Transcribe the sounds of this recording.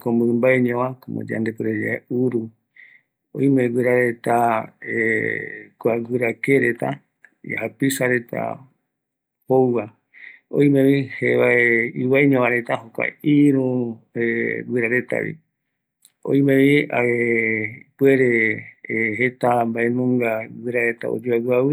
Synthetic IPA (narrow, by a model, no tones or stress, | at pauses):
kombɨmbaeɲõʋakomo̰d͡ʒa̰nd̪epweɾed͡ʒaeuɾu | o̰ĩmewɨɾaɾet̪ae | kwaɡɨɾakeɾet̪a | ja̰hapisaɾe̞t̪ʰa̰ | powwa | õ̰j̃mẽβiheβaeiwaɲãβaɾet̪aɦokʷa̰iɾueɡɨɾaɾet̪a̰βḭ | o̰ĩmẽβiae | pueɾe | ɦet̪ambaʔenõŋɡaɡɨɾaɾet̪a̰o̰d͡ʒuaɡawɨ